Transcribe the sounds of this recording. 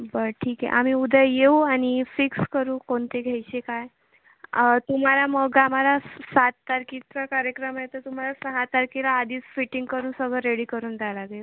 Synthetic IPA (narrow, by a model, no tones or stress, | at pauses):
bəɾʈʰiːkɛ̰ʔa̰m̤iud̪ʱəjjeuañifikskəɾuːkoɳt̪eɡʱejt͡ɕekaj | t̪um̤alaməɡamalasat̪ːaɾkit͡sakaɾjəkɾəmjet̪ət̪um̤alasəɦat̪aɾkilaːd̪ʱiːt͡sfiʈiŋɡ̚kəɾuːnsəɡʱɭəɾeɽiːkəɾuːnd̪ʱalaɡe